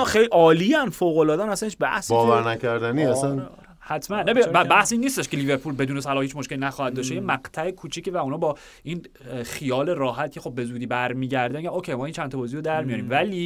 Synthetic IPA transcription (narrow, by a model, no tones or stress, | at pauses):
xejlʔɒːliænfoːɣolɒːd̪ænæsæneʃbæ̰hsbɒːvæɾnækæɾd̪æniːæsæn | hæt̪ʰmænːæbebæbæhsiːnːiːst̪eʃkʰeliveɾpʰulbe̞d̪uːnesælɒːhiːt͡ʃʰmoʃkʲelinæxɒːhæd̪̚d̪ɒːʃtejemæqt̪ʰæekʰuːt͡ʃʰicevæunɒːbɒː | ʔiːn | xijɒːle̞ɾɒːɦæt̪̚cʰe̞xo̞bːe̞zuːd̪iːbæɾmiːɟæɾd̪æmiɟænocʰejmɒːint͡ʃʰænt̪ʰɒbɒːziːɾod̪æɾmijɒɾiːmvæliː